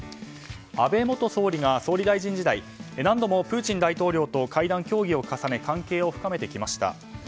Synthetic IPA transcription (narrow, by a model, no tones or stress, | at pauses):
abe̞mo̞t̪o̞so̞ːɾʲiɡaso̞ːɾʲid̪aiʑĩɲ̟d͡ʑid̪ai | nãnd̪o̞mo̞pɯ̟ːt͡ɕĩnd̪ait̪o̞ːɾʲo̞ːt̪o̞kaid̪ãŋkʲo̞ːɡʲio̞kasane̞kãŋke̞ːo̞ɸɯ̟kame̞t̪e̞kʲimaɕi̥t̪a̰